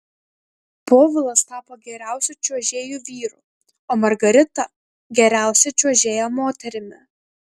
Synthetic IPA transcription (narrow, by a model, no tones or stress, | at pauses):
poːʋʲɪlˠɐst̪ɑːpoːɡʲɛɾʲæˑʊsʲuˑt͡ʃʲuɔʒʲeːjuːʋʲiːɾuˑ | oːmɐɾɡɐɾʲɪt̪ɐ | ɡʲɛɾʲæˑʊsʲɛt͡ʃʲuɔʒʲeːjomoːt̪ʲɛɾʲɪmʲɪ